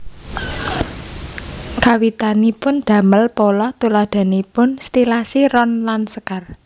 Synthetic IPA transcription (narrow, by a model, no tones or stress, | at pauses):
kawit̪anipʊnd̪̥ä̤məlpɔlɔht̪ulad̪̥a̤nipʊnst̪ilasiɾɔnlansəkar